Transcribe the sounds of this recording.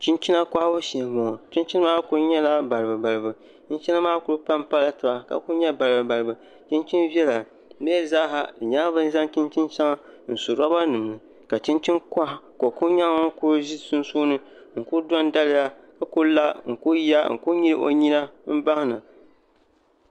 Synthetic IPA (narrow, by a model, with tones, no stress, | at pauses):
t͡ʃi˦nt͡ʃi˦na˦kʷa˦bo˦ʃi˨mɔ˨t͡ʃi˦nt͡ʃi˦n˦maː˦kʊ˦ɾɲɛ˦la˦ba˨ɾbɨ˨ba˨ɾɨ˨bɨ˨ | t͡ʃi˦n˦t͡ʃi˦na˦maː˦kʊ˦ɾpa˦mpa˦la˦tɨ˨ba˨ka̰˨kʊ˦ɲɛ˦ba˨ɾɨ˨bɨ˨ba˨ɾɨ˨bɨ˨ | t͡ʃi˦nt͡ʃi˦nvjɛ˦la˨˦ | ɛ˦zaː˦ɦa˦˨ɲaː˦bɨ˦n˦za˦ŋt͡ʃi˦nt͡ʃi˦nt͡ʃa˦ŋa˦n̩˨su˨ɾɔ˦ba˦nɨ˨m˨nɨ˨ | ka˨t͡ʃi˦nt͡ʃi˦nkʷa˦˨ko˨ku˦ɲa˦ŋa˦ŋ̩˦kʊ˦ɾʒi˦sʊ˦nsuː˦nɨ˦ŋ̩˨kʊ˦dɔ˦n˦da˦lɪ˦ja˦ | ka˨kʊ˦la˦ŋ̩˨ku˦ja˦ŋ̩̰˨ku˦ɲi˦ɾɨ̰˦ʔo̰˨ɲi˦na˦m̩˦ba˦hna˨